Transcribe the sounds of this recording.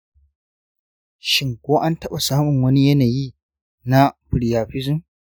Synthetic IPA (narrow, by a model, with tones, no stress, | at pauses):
ʃɪ˦ŋkʷoː˦ʔa˦ntɐ˦ɓa˨saː˦mʊ˨ŋwɐ˦ni˦jɐ˦naː˨jiː˦ | na˦ɸɪ˨ɽi˨jaː˨ɸɪ˦zɪ˦˨m